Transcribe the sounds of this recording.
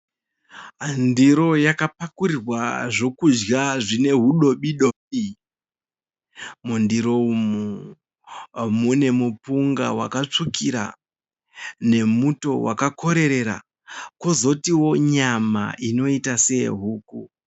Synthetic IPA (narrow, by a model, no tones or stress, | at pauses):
ɦandiɾo̞jakapakuɾirwaʐo̞kud͡ʒɡaʐine̞ɦuɗo̞ɓiɗoɓi | mundiɾo̞umu | mune̞mupuŋɡa̰wa̰kat͡ʂukʰiɾa̰ | ne̞muto̞wʔa̰kako̞ɾe̞ɾe̞ɾa̰ | kozo̞tiwo̞ɲama̰ʔino̞itase̞ɦuːku